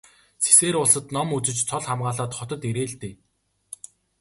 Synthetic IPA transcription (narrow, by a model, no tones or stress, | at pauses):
t͡sʰe̥seːɾʊɮsə̆t̪nɔmut͡sɘ̆t͡ɕt͡sʰɔɮχamɢaːɮaːt̪χɔt̪ɞ̆t̪eɾeːɮt̪eː